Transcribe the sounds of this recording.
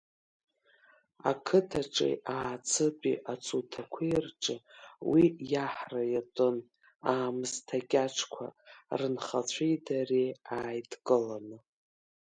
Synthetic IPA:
a̰kʰɨtʰaʈ͡ʂʼḛʔaːt͡sʰɨpʼḭʔat͡sʰutʰakʷʰerʈ͡ʂʼɨwijaħrajatʷʼɨn | aːmɨztʰakʲʼaʈ͡ʂʰkʷʰa̰rɨnχat͡ɕʷʰejdareaːjdkʼɨlanɨ

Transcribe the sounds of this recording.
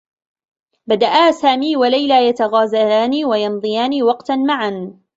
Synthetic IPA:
bad̪aʔaːsaːmiːwalajlaːjat̪aɣaːzalaːniːwajɑnd̪ˤɨjaːniːwɑqt̪anmaʕan

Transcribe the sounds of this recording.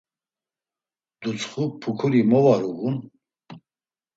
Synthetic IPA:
d̪̥ut͡sχupʰukʰuɾimɔvaɾuɣun

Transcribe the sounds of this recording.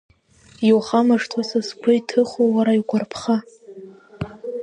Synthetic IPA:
jwχamaʂtʰwasɨskʷʰʊjtʰɨχʷowaɾaiɡʷarpʰχa

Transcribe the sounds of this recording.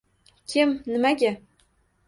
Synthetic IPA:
kʲʰemnɘ̆mæɡʲæ

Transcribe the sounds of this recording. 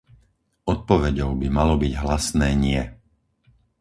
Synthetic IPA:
ɔt̪̚pɔʋɛɟɔʊbimalɔbiɟɦlasnɛːɲɪɛ

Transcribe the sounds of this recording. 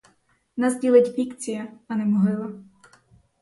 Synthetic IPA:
nazdʲilˠɪtʲbʲikt͡sʲijɐɐnɛmɔɦɪlˠɐ

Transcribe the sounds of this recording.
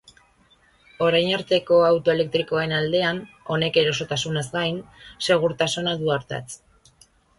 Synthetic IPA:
o̞ɾajnaɾt̪e̞ko̞awt̪o̞e̞le̞k̚t̪ɾiko̞e̞nald̪e̞an | o̞ne̞ke̞ɾo̞so̞t̪asunazɡajnse̞ɣ̞uɾt̪asonaðuaɾt̪a̰t͡s

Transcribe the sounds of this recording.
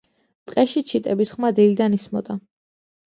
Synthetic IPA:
t̪ʼqʼɛʃit͡ʃʰit̪ʼɛbisχmad̪ilid̪anismɔ̰d̪a

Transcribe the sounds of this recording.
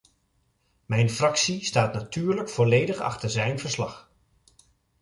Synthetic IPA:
mɛjnfrɑksistaːtnatyːɹləkfɔlejdəχɑ̰χtəɹzɛjnvəɹslɑχ

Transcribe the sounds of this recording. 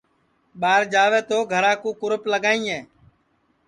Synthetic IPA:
ɓaːɾd͡ʒaːʋeːt̪oːɡʱəɾaːkũːkʊɾʊpləɡaːĩːɛː

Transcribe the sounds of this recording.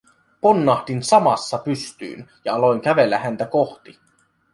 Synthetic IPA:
ponːɑhd̪insɑmɑ̰sːɑpyst̪y̰ːnjɑɑlo̞iŋkæʋe̞lːæhænt̪æko̞ht̪i

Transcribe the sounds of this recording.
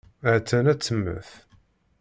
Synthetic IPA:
ʕt͡sːænæt͡sːəmːə̰θ

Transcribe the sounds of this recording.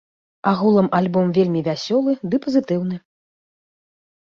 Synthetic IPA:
aɣulˠɐmalʲbɔmvʲelʲmʲivʲasʲɔlˠɨd̪ɨpɐzɨt̪ɨwn̪ɨ

